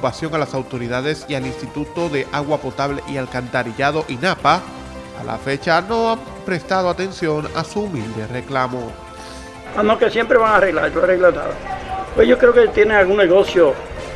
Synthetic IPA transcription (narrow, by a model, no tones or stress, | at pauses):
upasjo̞ŋalasawt̪o̞ɾiðað̞e̞sialinst̪it̪ut̪o̞ðe̞ʔaɣwapo̞t̪aβle̞̰ʔialkant̪aɾiʝað̞o̞ʔinapa̰ː | lʔa̰fe̞t͡ʃano̞am | pɾe̞st̪að̞o̞at̪e̞nsjo̞nasuːmild̪e̞re̞klamo̞ | anokesjempɾeβaŋareɣla̰ɾtoareɣlat̪a̰βapwesʝokɾeoket̪jeneŋalɣunneɣosjo